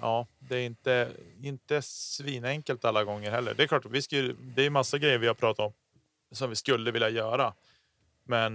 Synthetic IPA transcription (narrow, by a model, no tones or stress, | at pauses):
ʔɑːd̪ɛæɾɪnt̪əɪnt̪əsviːnɛŋkəlt̪alːaɡɔŋːəɾhɛlːə̰ɖɛɛɾklɑːʈːavɪskajd̪ɛæjɵmasːaɡɾɛjːəɾvɪhaɾpʰɾɑːt̪at̪ɔm | sɔmvɪskɵlːəvɪljajœːɾa | mɛn